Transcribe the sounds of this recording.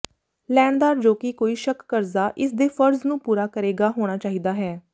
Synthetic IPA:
lɛːnd̪aːɾd͡ʒoːkiːkoːiːʃəkːəɾzaːʔɪsd̪eːfʰəɾznũːpuːɾaːkəɾeːɡaːɦoːɽ̃aːt͡ʃaːɦiːd̪aːɦɛː

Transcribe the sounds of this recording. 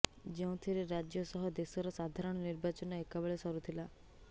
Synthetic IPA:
d͡ʒeũt̪ʰiɾeɾad͡ʒjɔsɔɦɔd̪esɔɾɔsad̪ʱaɾɔɽ̃ɔniɾbat͡ʃɔnɔekabeɭesɔɾut̪ʰila

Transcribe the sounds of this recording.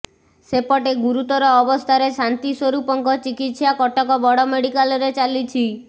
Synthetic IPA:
sepɔʈeɡuɾut̪ɔɾɔːbɔst̪ʰaɾesant̪iswoɾupɔŋkɔt͡ʃikit̪sjakɔʈɔkɔbɔɽɔmeɽikalɔɾet͡ʃalit͡ʃʰi

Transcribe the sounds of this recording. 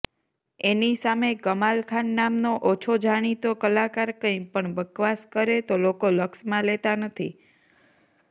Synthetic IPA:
enisamekəmalkʰanːamnoʔot͡ʃʰod͡ʒʱaɽ̃it̪okəlakaɾkə̃ĩpəɳbəkʋaskəɾet̪olokoləksmãlet̪anət̪ʰḭ

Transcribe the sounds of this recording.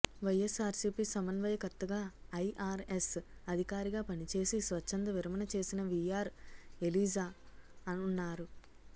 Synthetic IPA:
ʋɐjesaːɾsiːpisɐmɐnʋɐjɐkɐt̪ːɐɡaːɐjʔaːɾesɐd̪ʱikaːɾiɡaːpɐnit͡ʃe̞ːsisʋɐt͡ʃːɐnd̪ɐʋiɾɐmɐnɐt͡ʃe̞ːsinɐʋijaːɾe̞liːd͡ʒaːɐnunːaːɾu

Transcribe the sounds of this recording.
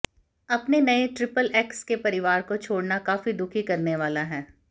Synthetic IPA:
ɐpnenɐeʈɾɪpəlɛːkskepɐɾɪʋaːɾkot͡ʃʰoːɽnakaːfid̪ʊkʰikɐɾneʋaːlaɦɛː

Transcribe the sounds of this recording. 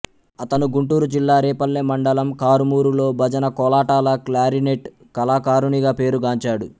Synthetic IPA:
ɐt̪ɐnuɡuɳʈuːɾud͡ʒilːaːɾɛːpɐlːeːmɐɳɖɐlɐmkaːɾumuːɾulo̞ːbʱɐd͡ʒɐnɐkɔlaːʈaːlɐklaːɾineʈ | kɐlaːkaːɾuniɡaːpe̞ːɾuɡaːɲt͡ʃaːɽu

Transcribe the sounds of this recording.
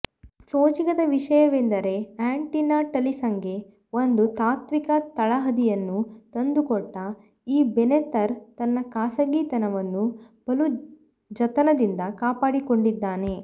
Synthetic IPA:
soːt͡ʃiɡɐd̪ɐʋiʂɐjɐʋend̪ɐɾe̞aːɳʈinaʈɐlisɐŋɡe̞ | o̞nd̪ut̪aːt̪ʋikɐt̪ɐɭɐɦɐd̪ijɐnːut̪ɐnd̪ukɔʈːɐ | iːbenet̪ɐɾt̪ɐnːɐkaːsɐɡiːt̪ɐnɐʋɐnːu | b̥ɐlu | d͡ʒɐt̪ɐnɐd̪ind̪ɐkaːpaːɽiko̞ɳɖid̪ːaːne̞

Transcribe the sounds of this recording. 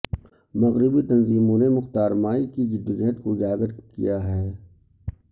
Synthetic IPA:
mɐɣɾɪbit̪ɐnziːmõnemʊxt̪aːɾmaːikid͡ʒɪd̪ɪd͡ʒɛɦt̪̚kod͡ʒaːɡəɾkḭjaɦɛː

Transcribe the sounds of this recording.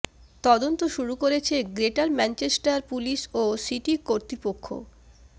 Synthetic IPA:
t̪ɔd̪ont̪oʃuɾukoɾet͡ɕʰeɡɾeʈaɾmɛnt͡ɕesʈaɾpuliʃosiʈikoɾt̪ɾipokʰːo̰

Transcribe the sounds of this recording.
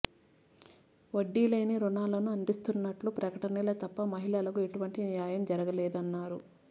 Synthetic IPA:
ʋɐɖːiːlɐjniɾunaːlɐnuɐnd̪ist̪unːɐʈlupɾɐkɐʈɐnilɐt̪ɐpːɐmɐɦilɐlɐkue̞ʈuʋɐɳʈinijaːjɐmd͡ʒɐɾɐɡɐlɛːd̪ɐnːaːɾu

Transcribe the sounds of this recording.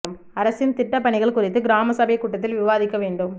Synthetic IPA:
ɐm | ɐɾɐsɪnt̪ɪʈːɐpːɐɳɪɣɐɭkʊrɪt̪ːɯɡɪɾaːmɐsɐbɐkːuːʈːɐt̪ːɪlʋɪʋaːðɪkːɐʋeːɳɖɯm

